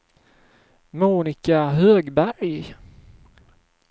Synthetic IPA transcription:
muːnɪkaɦøːɡbæɾj

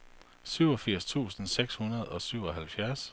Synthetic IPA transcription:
syʊɒ̽fiɐ̰st͡sʰṵːsn̩seɡ̥shunɐð̞̩ˠɒ̽syʊ̰ɒ̽ɦælfjæɐs

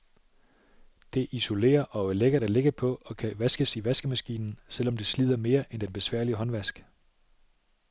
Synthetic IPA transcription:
d̥e̝ʔiso̝le̝̰ːɐʔɒ̽leɡ̥ɐɾæle̝ɡ̥əpʰɒ̽ɒ̽kʰæʋæsɡ̥əsiʋæsɡ̥əmæsɡ̥ḭːnn̩sel̰ɒ̽md̥e̝slið̞̰ˠɐme̝ːɐʔend̥enb̥e̝sʋæ̰ɐ̰liəɦɒ̽nʋæsɡ̥

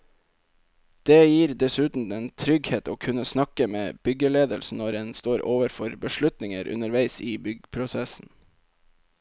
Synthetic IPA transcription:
d̪̥eːjiːɾd̪ɛsʉːt̪n̩ɛnt̪ʰɾʏɡheːt̪oːkʰʉnəsnɑkəmḛːb̥ʏɡəleːd̪əlsn̩ɔɾɛnst̪oːɾʔoːʋəɾfɔɾbəʃɭʉt̪nɪŋəɾʔʉ̰nəɾʋæɪsiːbʏɡpʰɾʊsɛsn̩

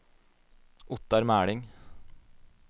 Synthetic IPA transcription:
ʊt̪ɑɾmæːɽɪŋ

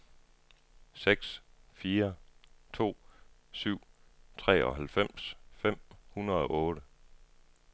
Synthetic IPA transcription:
seɡ̥sfiːɐt͡sʰo̝̰ːsyʊ̰t͡sʰʁɛ̰ːɒ̽ɦælfem̰sfem̰hunɐðˠɒ̽ʔɔːɾə

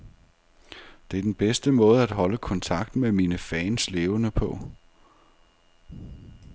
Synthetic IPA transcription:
d̥e̝æd̥enb̥esd̥əmɔ̽ːð̞̩ˠæd̥ɦɒ̽ləkʰɒ̽nt͡sʰɑ̈ɡ̥̚d̥meminəfɛːnsle̝ːʊənəpʰɒ̽

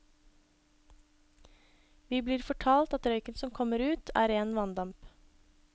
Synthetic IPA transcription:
ʋiːbliːɾfɔʈʰɑːlt̪ɑt̪ɾœʏkənsɔmkʰɔməɾʉːt̪ʰæ̰ːɾeːnʋɑnd̪ɑmp

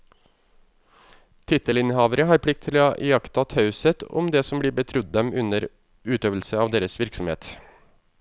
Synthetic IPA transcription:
t̪ʰɪt̪ʰəlɪnhɑːʋəɾəɦɑːɾpʰɽɪk̚t̪ʰɪlʔjɑkt̪ɑt̪ʰɑʉsət̪ɔ̰md̪eːsɔmbliːɾbət̪ʰɾʉd̪̚d̪ɛmʉnəɾ | ʉːt̪øːʋəl̩səɑːʋd̪eːɾəsʋɪɾksɔmhḛːt̪

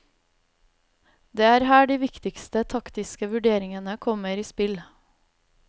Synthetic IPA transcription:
d̪eːæːɾhæːɖiːʋɪkt̪ɪkst̪ət̪ʰɑkt̪ɪskəʋʉɖeːɾɪŋənəkʰɔməɾiːspɪl

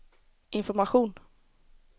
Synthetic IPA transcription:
ɪnfɔɾmaɧuːn

